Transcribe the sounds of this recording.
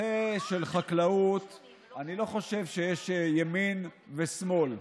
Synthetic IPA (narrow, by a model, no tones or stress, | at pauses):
eʃe̞lχaklaut̪ | anilo̞χo̞ʃe̞vʃejeʃjaminvesmo̞l